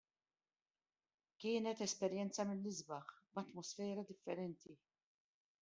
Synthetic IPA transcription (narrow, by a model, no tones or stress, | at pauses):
kɪːnɛt̪ɛspɛɾjɛnt͡sɐmɪlːɪzbɐxbɐt̪mɔsfɛːɾɐd̪ɪfːɛɾɛnt̪i